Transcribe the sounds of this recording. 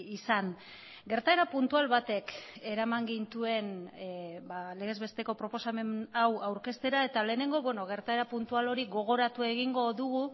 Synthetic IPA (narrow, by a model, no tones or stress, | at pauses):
isan | ɡe̞ɾt̪ae̞ɾapunt̪ualβat̪e̞ke̞ɾamaŋɡint̪ue̞n | bale̞ɣ̞e̞zβe̞st̪e̞ko̞pɾo̞po̞same̞nawawɾke̞st̪e̞ɾae̞t̪ale̞ːne̞ŋɡo̞βweno̞ɣ̞e̞ɾt̪ae̞ɾapunt̪ualo̞ɾiɣo̞ɣ̞o̞ɾat̪ue̞ɣiŋɡo̞ðuɣ̞u